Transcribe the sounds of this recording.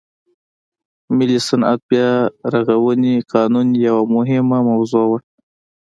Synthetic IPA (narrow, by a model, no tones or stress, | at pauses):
mɪlisana̰t̪̚bjɑɾaɣawəniqɑnunjawamʊɦɪmamawzowəɽ